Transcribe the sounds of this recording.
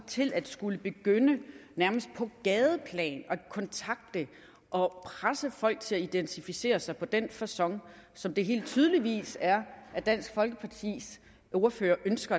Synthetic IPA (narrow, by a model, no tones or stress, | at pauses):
t͡sʰe̝lʔæd̥sɡ̥uləb̥e̝ɡ̥ønənæɐməsd̥̚pʰɒ̽ɡ̥ɛːðˠəpʰlɛ̰ːnɒ̥kʰɒ̽nt͡sʰɑ̈ɡ̥̚d̥ə | ʔɒ̽pʰʁasəfɒ̽l̰ɡ̥̚t͡sʰe̝læid̥ent͡sʰifise̝̰ːɐsɑ̈ɪpʰɒ̽d̥enfæɐsɒ̽ŋsɒ̽md̥e̝ɦe̝̰ːld̥̚t͡sʰyːð̞ˠəliʋḭːsæɐʔæd̥æn̰sɡ̥fɒ̽lɡ̥əpʰɑ̈t͡sʰḭs | oɐføːɐʔønsɡ̥ɐ